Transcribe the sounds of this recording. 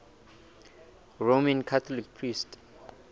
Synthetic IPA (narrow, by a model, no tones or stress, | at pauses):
romãnkʰat̪ʰɔlikpʰɹist